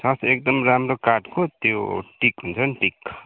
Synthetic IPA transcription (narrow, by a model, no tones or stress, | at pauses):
sʌsekd̪ʌmramrokaʈkot̪joʈikɦunt͡sʰʌnʈik